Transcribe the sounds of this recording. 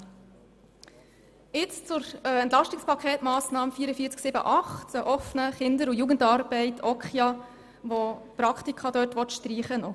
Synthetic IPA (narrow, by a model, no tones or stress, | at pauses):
ɪt͡st͡sʊɾɛntlɑʃtɪkspʰɑkʰɛːtmɑːsnɑːmfiːɾəfiːət͡sksɪbə̰ʔɑχtt͡səʔɔfnəχɪndəɾujuːɡəndɑɾbɛɪtʰɔkχjɑ | ʋɔpɾɑkχtikʰɑd̪œɾtʋɔt̪ʃtriːχənɔ